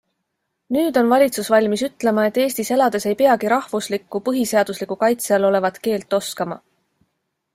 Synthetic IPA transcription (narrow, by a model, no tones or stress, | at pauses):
nyːd̪̥o̞nvɑlʲit̪susvɑlʲmisyt̪le̞mɑe̞t̪ːe̞ːsʲt̪ise̞lɑd̪e̞se̞jpe̞ɑɡiɾɑhvuslikːˑupɤɦise̞ɑd̪̥uslikːˑukɑjt̪seɑlo̞le̞vɑt̪ke̞ːlt̪ːˑo̞skɑmɑ